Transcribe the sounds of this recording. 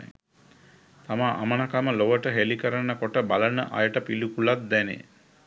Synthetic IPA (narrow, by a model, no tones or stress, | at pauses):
t̪amaʔa̰mənakaməloʋəʈəɦelikəɾanːəkoʈəbalənə̰ʔa̰jəʈəpilukulat̪̚d̪ɛnḛ